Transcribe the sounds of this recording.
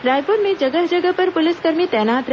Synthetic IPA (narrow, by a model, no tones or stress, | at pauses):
ɾajpoɾned͡ʒəɡət̪d͡ʒəɡəpəɾpʊlɪskəɾmit̪ɛnat̪ɾ